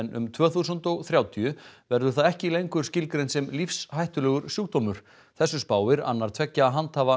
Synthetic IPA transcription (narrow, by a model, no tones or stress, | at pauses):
nʏ̰mt̪ʰv̥œːθusʏnt̪ɔɣθɾjaːwt̪ʰiʏvɛɾðʏɾ̥θaðɛhcɪlejŋkʏɾ̥scɪlkɾejnsɛmlifshajht̪ʏlɛːɣʏɾsjuːk̚t̪omʏɾ̥ | θɛsːʏspaːwɪɾa̰nːaɾ̥t̪ʰv̥ɛcːaːɦant̪haːva